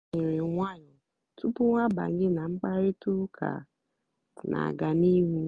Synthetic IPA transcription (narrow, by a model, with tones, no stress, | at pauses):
ɪ˨ɾɪ˨ŋʷ˦a˦ɲɔ˨ | tʰu˦pʊ˦wa˦ba̰˨ŋ˦ɪ˦nã˨ŋ͡m̩˦k͡pa˦ɾɪ˦tu˦kʰa̰˨ | nʔa̰˨ɡa˨ni˦ɦu˦